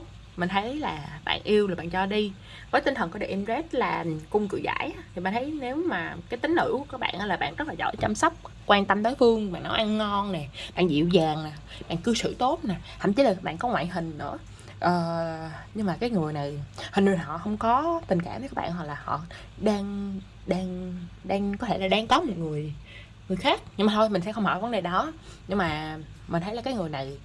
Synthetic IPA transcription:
mï˨˩ŋ̟t̪ʰə˨˦jlaː˨˩ɓa̰ː˧˨nʔi˧əwlaː˨˩ɓa̰ː˧˨nt͡ɕɔ˧ɗi˧ | vəː˨˦jt̪ï˧ŋ̟t̪ʰə˨˩nkɔ˨˦ɗḛ˧˩ʔɛ˧mzɛ˦˥t̚laː˨˩kʊ˧wŋ͡mkɨ̰˧˨jza̰ː˧˨jt̪ʰi˨˩ɓa̰ː˧˨nt̪ʰə˨˦jne˨˦wmaː˨˩kaː˨˦jt̪ï˨˦ŋ̟hɨ̰˧˥kaː˦˥k̚ɓa̰ː˧˨nʔaː˨˦laː˨˩ɓa̰ː˧˨nzə˦˥laː˨˩zɔ̰˧˩jt͡ɕa˧msa˦˥wk͡p̚ | kwaː˧nt̪ə˧mt̪əː˨˦jfɨ˧əŋɓa̰ː˧˨nːɔ˨˦ʔa˧nːɔ˧nne˨˩ɓa̰ː˧˨nzḭ˧˨wzaː˨˩ŋna˨˩ | ɓa̰ː˧˨nkɨ˧sɨ̰˧˨t̪o˦˥t̚na˨˩hə̰˧˩mt͡ɕi˧˨˦laː˨˩ɓa̰ː˧˨nkɔ˨˦ŋwa̰ː˧˨jɦï˨˩ŋ̟nɨ̰˧˥ə | ʔəː˨˩ɲɨ˧ŋmaː˨˩kaː˨˦jŋɨ˨˩əjna˨˩jhï˨˩ŋ̟n˨˩˨hɔ̰˧˨hə˧wŋ͡mkɔ˨˦t̪ï˨˩ŋ̟kaː˧˩mvkːaː˨˦˥ɓ̰ːnhwa˨˩laː˨˩hɔ̰˧˨ | ɗaː˧ŋ | ɗaː˧ŋɗaː˧ŋkɔ˨˦t̪ʰe˧˩laː˨˩ɗaː˨˧˦ŋk̪ɔ˨˦mo˨˩t̚ŋɨ˨˩əj | ŋɨ˨˩əjxaː˦˥k̚ɲɨ˧ŋmaː˨˩t̪ʰjmï˨˩ŋ̟sɛ̰˧˥xə˧wŋ͡mhɔ̰˧˨˩və˨˦nɗe˨˩ɗɔ˨˦ɲɨ˧ŋmaː˨˩mi̟˨˩t̪ʰə˨˦jla˨˩aː˨˦jŋɨ˨˩əjna˨˩j

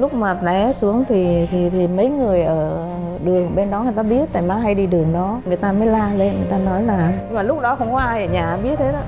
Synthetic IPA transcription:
lʊ˦˥k͡p̚maː˨˩ɗɛ˨˦su˨˦əŋt̪ʰi˨˩t̪ʰi˨˩t̪ʰi˨˩mə˨˦jŋɨ˨˩əjʔəː˧˩˧ | ɗɨ˨˩əŋɓe˧nɗɔ˨˦ŋɨ˨˩jt̪aː˧ɓi˦˥ət̚t̪aː˧˩jmaː˨˦ɦa˧jɗi˧ɗɨ˨˩əŋɗɔ˨˦ŋɨ˨˩əjt̪aː˧məː˨˦jlaː˧le˧nŋɨ˨˩əjt̪aː˧nɔ˨˦jlaː˨˩ɲ˧ŋmaː˨˩lʊ˦˥k͡p̚ɗɔ˨˦xə˧wŋ͡mkwaː˧a˧˨ə˨˩ɲaː˨˩˨ɓi˦˥ət̚t̪ʰe˨˦ɗɔ˨˦

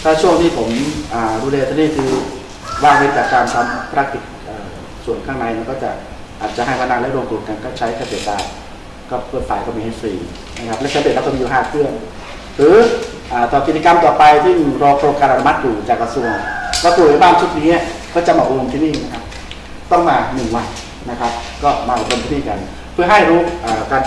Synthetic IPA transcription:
t̪ʰaː˧˩t͡ɕʰu˥˩əŋt̪ʰiː˥˩pʰo˩˦mʔaː˨˩duː˧lɛː˧t̪ʰːniː˧˥˩kʰɯː˧ | waː˧˩ŋhe˦˥t̪̚t͡ɕaː˨˩k̚kaː˧nt̪ʰa˧mpʰɾa˦˥k̚t̪i˨˩t̪̚ʔɤː˨˩ | su˨˩ənkʰaː˥˩ŋna˧jna˧˩kɔː˥˩t͡ɕa̰˨˩ʔ | ʔaː˨˩t̪̚t͡ɕa˨˩hɦa˥˩jmaː˧˩na˧˩ŋlɛ˦˥ɾo˧ŋk̪uː˧˩ka˧nkɔː˥˩t͡ɕʰa˦˥jkaː˧˩seː˨˩t̪̚laː˧˩ | kɔː˥˩pʰɤː˧˩t̪̚faː˨˩˦jkɔː˧˩miː˧ha˧˩siː˨˦ | na˦˧˥kʰa˦˥p̚lɛ˦˥˩t͡ɕa˨˦be˨˩˨a˦˥˧uː˨ɦaː˧˥˩kʰɯ˥˩ən | ɾɯː˨˦ | ʔaː˨˩t̪ɔː˨˩ki˨˩iː˧ka˧mt̪ɔː˨˩pa˧jsɯ˥˩ŋ˨˩ɾɔː˧pʰɾo˧kaː˧nʔa˧nu˧ma˦˥t̪̚juː˨˩t͡ɕaː˨˩kːɾa˧su˧əŋka˧˩su˧˩əŋa˧˩baː˥˩˨nt͡ɕʰu˦˥t̪̚niː˦˥n˧˩kɔː˥˩t͡ɕa˨˩mɔː˧˨˩ɾo˧mt̪ʰiː˧˩niː˥˩na˦kʰa˦˥p̚ | t̪ɔ˥˩ŋmaː˧nɯ˨˩ŋwa˨˩ | na˦˥kʰa˦˥p̚kɔː˥˩maː˧ʔo˨˩ɾo˧mt̪i˥˩niː˥˩ka˧n | pʰɯ˥˩əɦa˥˩jɾuː˦˥ʔaː˨˩kaː˧n

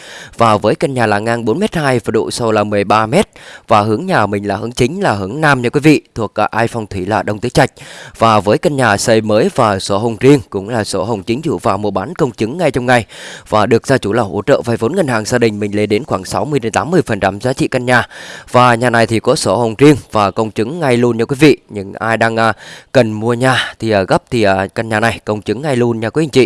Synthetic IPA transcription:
vaː˨˩vəː˨˦jkə˧nɲaː˨˩laː˨˩ŋaː˧ŋɓo˨˦nmɛ˦˥t̚haː˧jvə˨˩ɗṵ˧˨so˧wlaː˨˩mɨ˨˩əjɓaː˧mɛ˦˥t̚vaː˨˩ɦɨ˨˦əŋɲaː˨˩mï˨˩ŋ̟laː˨˩hɨ˨˦əŋt͡ɕï˨˦ŋ̟laː˨˩ɦɨ˨˧˩əŋnaː˧mɲə˧˩kwi˨˦vḭ˧˨t̪ʰu˨˩ək̚ʔaː˨˩ʔaː˧jfɔ˧wŋ͡mt̪ʰwi˧˩laː˨˩ɗə˧wŋ͡mt̪ɨ̰˨˧˦ət͡ɕa˧˩jk̟̚vaː˨˩vəː˨˦jkə˧nɲaː˨˩sə˧jməː˨˦jvaː˨˩so˧˩ɦə˨˩wŋ͡mzi˧əŋkʊ̰˧˥ŋ͡mlaː˨˩so˧˩ɦə˨˩wŋ͡mt͡ɕï˨˦ŋ̟zṵ˧˨vaː˨˩mu˨˩ɓaː˨˦nkə˧wŋ͡mt͡ɕɨ˨˦ŋːa˧jt͡ɕɔ˧ŋ͡mŋa˨˩jvaː˨˩ɗɨ˨˩ək̚zaː˧t͡ɕu˧˩laː˨˩wʔo̰˧˩ət͡ɕə̰ː˧˨vaː˨˩jvo˨˦nŋa˧ŋ̟haː˨˩ŋzaː˧ɗï˨˩ŋ̟mï̟˨˩le˧nɗe˨˦nxwaː˧˩ŋsa˨˦wmɨ˧əjɗe˨˦nt̪aː˨˦mːɨ˧əjfə˨˩nt͡ɕa˧˩mzaː˨˦t͡ɕḭ˧˨ka˧ŋ̟ɲaː˨˩vaː˨˩ɲaː˨˩na˨˩jt̪ʰi˨˩kɔ˨˦so˧˩hə˨˩wŋ͡mzi˧əŋvaː˨˩kə˧wŋ͡mt͡ɕɨ˨˦ŋːa˧jlu˧ənɲaː˧kwi˨˦vḭ˧˨ɲɨ̰˧ŋʔaː˧jɗaː˧ŋʔaː˧kə˨˩nmu˧əɲaː˨˩t̪ʰi˨˩ʔəː˨˩ɣə˦˥p̚t̪ʰi˨˩ʔəː˨˩ka˧ŋ̟ɲaː˨˩na˨˩jkə˧wŋ͡mt͡ɕɨ˨˦ŋːa˧jlu˧ənɲaː˧kwhŋt͡ɕḭ˧˨

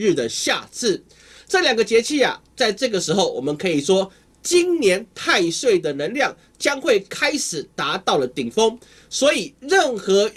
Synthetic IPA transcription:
y˥˩d̪ə˩ɕja˥˧t͡sʰɹ̩˥˩ | ʈ͡ʂɤ˥˩ljɑ˨˩ŋɡə˧t͡ɕjɛ˧˥t͡ɕʰi˥˩a̰˨˩t͡sa˥˧ɪʈ͡ʂɤ˥˩ɡə˩ʂɻ̩˧˥xo˥˩ʊwʔɔ˨˩mə˧˦nkʰɤ˧˥i˨˩ʂwɔ˥ | t͡ɕi˦˥nnjɛ˧˦nt̪ʰa˥˧ɪʂwe˥˩ɪd̪ə˩nə˧˦˥nljɑ˥˩ŋ | t͡ɕjɑ˥ŋxwe˥˩ɪkʰa˥ɪʂɻ̩˨˩t̪a˧˥t̪ɑ˥˩ʊlə˩t̪i˨˩ŋfo˥ŋ | swɔ˧˥i˨˩ɻə˥˩nxɤ˧˥

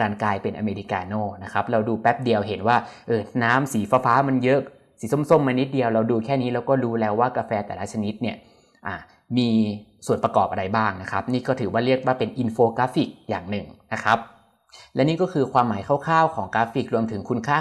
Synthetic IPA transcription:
kaː˧nklaː˧jpe˧nʔa˧meː˧ɾi˦˧kaː˧noː˥˩na˦˥kʰa˦˥p̚ɾa˧wduː˧pɛ˦˥p̚di˧əwɦe˩˦nwaː˥˩ʔɤː˧˩naː˦˥msiː˩˦faː˧faː˦˥ma˧njɤ˦˥k̚ | siː˩˦so˥˩˨mso˥˩mːa˧ni˦˥t̪̚di˧əwɾa˧wduː˧kʰɛː˥˩niː˦˥lɛː˦˥wkɔː˥˩ɾuː˦˥lɛː˦˥waː˥˩ka˧fɛː˧t̪ɛː˨˩la˦˥t͡ɕʰa˧ni˦˥t̪̚ni˥˩ə | ʔaː˨˩ | miː˧su˨˩ənpa˧kɔ̰ː˨˩p̚a˧ɾa˧jbaː˥˩ŋna˦˥kʰa˦˥p̚niː˥˩kɔː˥˩t̪ʰɯː˩˦waː˥˩ɾi˥˩ək̚waː˥˩pe˧nʔi˧nfoː˧kaː˦˥fi˨˩k̚jaː˨˩ŋnɯ˨˩ŋna˦˥kʰa˦˥p̚ | lɛ˦˥niː˥˩kɔː˥˩kʰɯː˧kʰwaː˧mːaː˩˦jkʰa˥˩wkʰaː˥˩wkʰɔː˩˦ŋkaː˦˥fi˨˩k̚ɾu˧əmt̪ʰɯ˩˦ŋkʰu˧nkʰaː˥˩

